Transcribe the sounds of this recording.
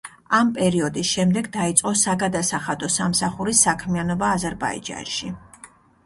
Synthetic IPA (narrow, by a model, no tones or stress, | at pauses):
ampʼɛɾiɔd̪isʃɛmd̪ɛɡd̪ait̪sʼqʼɔsaɡad̪asaχad̪ɔsamsaχuɾisakʰmianɔbaːzɛɾba̰ḭd͡ʒa̰nʃi